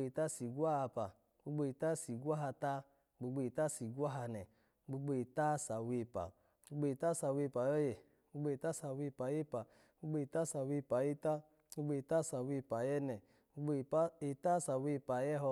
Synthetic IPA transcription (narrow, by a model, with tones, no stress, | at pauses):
e˨ta˦si˨ɡʷa˦a˧pa̰˨ | ɡ͡bu˧ɡ͡bo˧i˨ta˦˨si˨ɡwa˦ɦa˧ta˦ | ɡ͡bo˧ɡ͡bo˧e˨ta˦si˨ɡʷa˦ɦa˧nɛ˨˦ | ɡ͡bu˧ɡ͡bo˧e˨ta˦˨sa˨we˧˨pa̰˨˦ | u˧ɡ͡bo˧i˨ta˦sa˨we˧˨pa˨jɔ˦jɛ˨˦ | ɡ͡bu˧˦ɡ͡bo˧˨e˨ta˦sa˨we˧pa˨˦je˦pa˨˦ | u˦ɡ͡bo˧i˨ta˦sa˨we˧˦pa˨je˦ta˦ | u˦ɡ͡bo˧i˨ta˦sa˨we˧˨pa˨jɛ˦nɛ˨˧˦ | e˨ta˦sa˨we˧˨pa˨jɛ˦ɦɔ˧